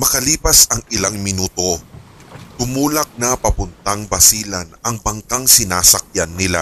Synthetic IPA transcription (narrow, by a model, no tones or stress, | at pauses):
mɐkɐliːpɐsɐŋɪlaŋmɪnuːt̪o̞ | t̪ʊmuːlɐk̚nɐpɐpʊnt̪aŋbɐsiːlɐnɐŋbɐŋkaŋsɪnaːsɐk̚janːɪla̰